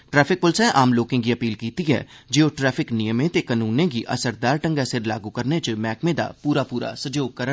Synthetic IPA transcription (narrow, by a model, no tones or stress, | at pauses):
ʈɾɛːpʰɪk̚pʊlsɛ̃ʔaːmloːkẽɡiəpiːlkiːt̪iɦɛ̰ː | d͡ʒeoʈɾɛːpʰɪknijəmẽt̪ekənuːnẽɡiʔɐ̰səɾd̪aːɾʈə̃ŋɡasɪɾlaːɡukəɾnet͡ʃəmɛːkmẽd̪a̰puːɾapuːɾa̰səd͡ʒoːɡ̚kəɾə